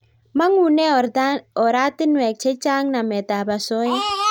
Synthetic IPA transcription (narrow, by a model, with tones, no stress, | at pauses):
ma˦ŋu˨nɛ˦˨ɔ˨ɾa˦tɪ˦nwɛ˨k̚t͡ʃɛ˦t͡ʃa˦ŋna˨mɛ˨ta˨ba˨sɔ˦j